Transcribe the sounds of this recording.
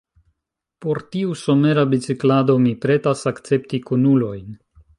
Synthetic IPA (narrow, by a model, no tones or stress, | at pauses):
po̞ɾtiuso̞me̞ɾabit͡siklado̞mipɾe̞tasakt͡se̞ptikunulo̞jn